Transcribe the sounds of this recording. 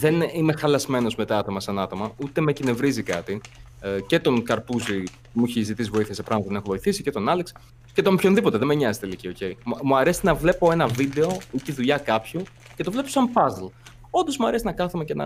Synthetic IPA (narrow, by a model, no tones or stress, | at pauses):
ðe̞nime̞xɐlɐzme̞no̞zme̞t̪ɐɐt̪o̞mɐsɐnɐt̪o̞mɐut̪e̞mecine̞vɾizikɐt̪i | ce̞t̪o̞ŋkɐɾpuzi | muiçezit̪isivo̞iθiɐsepɾɐɣmɐt̪oenexovo̞iθisi̥ce̞t̪o̞nɐliksi̥ | ce̞t̪o̞mpço̞nðipo̞t̪eðemeɲɐzest̪elicio̞ce̞imuɐɾe̞sinɐvle̞po̞e̞nɐvid̪e̞o̞it̪iðuʎɐkɐpçu | ce̞t̪o̞vle̞po̥sɐmfɐzl | o̞nd̪o̞zmuɐɾe̞sinɐkɐθumecenɐ̰